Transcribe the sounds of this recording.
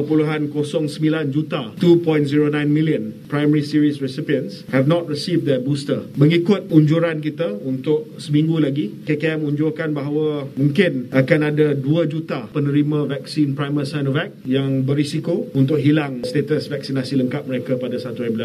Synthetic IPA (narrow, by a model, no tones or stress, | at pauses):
əpuluɦankosɔŋsəmbiland͡ʒut̪at̪upɔ̃jntziɾonãjnmiliənpɾajməɾisiɾisɹisipiənshɛfnɔt̪̚ɹisivd̪əbust̪əməŋikʊt̪̚uɲd͡ʒuɾank̬it̪aunt̪ʊʔ̚səmĩŋɡulaɡikekeɛmuɲd͡ʒʊrkanbaɦawəmũŋkɪnakanadaduad͡ʒut̪apənə̃ɾimãvɛk̚sinpɾajməsajnɔvɛk̚jaŋbəɾisikount̪ʊʔ̚ɦilaŋst̪et̪əsvɛk̚sinasiləŋkat̪̚məɾekapadasat̪uɛbilas